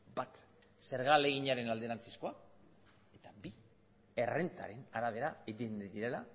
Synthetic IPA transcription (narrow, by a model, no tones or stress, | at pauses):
bat̪ | se̞ɾɣale̞ɣiɲaɾe̞nald̪e̞ɾant͡se̥sko̞a | e̞t̪abi | e̞re̞nt̪a̰ɾe̞naɾaβ̞e̞ɾaeɣind̪iɾe̞la